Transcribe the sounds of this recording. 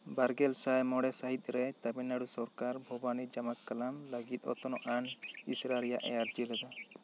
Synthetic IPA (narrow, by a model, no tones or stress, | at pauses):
baɾɡɛlsajmɔɽɛsaɦit̪̚ˀɾɛt̪abɛnːaɽusɔɾkaɾbʱɔbanid͡ʒamakːalamlaɡit̪̚ˀɔ̰t̪ɔnɔʔanisɾaɾija̰ʔɛ̰jaɾd͡ʒilɛd̪a